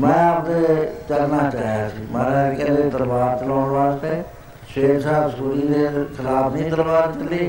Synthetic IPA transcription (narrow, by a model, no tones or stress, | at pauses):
mɛ̃ːaːpd̪eːt͡ʃəlnaːt͡ʃaːɦjaːsiːmɛ̃ːkɛ̃ːnd̪eːd̪əɾbaːɾt͡ʃəlãːnʋaːst̪eː | ʃeːksaːbsuːɾiːd̪eːkʰɪlaːbnĩːd̪əɾʋaːɾt͡ʃəliː